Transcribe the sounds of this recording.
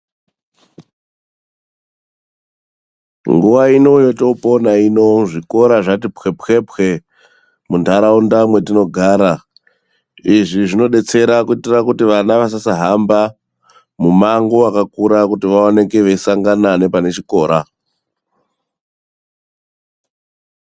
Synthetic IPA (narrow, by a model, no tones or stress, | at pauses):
ŋɡuʋaino̞jo̞to̞po̞naino̞ʐiko̞ɾaʐatipxe̞pxe̞pxe̞ | mundaɾaundamwe̞tino̞ɡʱaːɾa | iʐiʐino̞ɗe̞t͡se̞ɾakuitirakutiʋanaʋas̬asaɦamba | mumaŋɡoakakuɾakutiʋaone̞ke̞ʋeisaŋɡanane̞pane̞t͡ʃiko̞ːɾa